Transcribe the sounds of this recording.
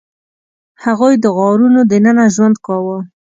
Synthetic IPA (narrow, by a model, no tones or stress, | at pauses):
haɣojd̪əɣɑɾunod̪ənənaʒwand̪kɑwə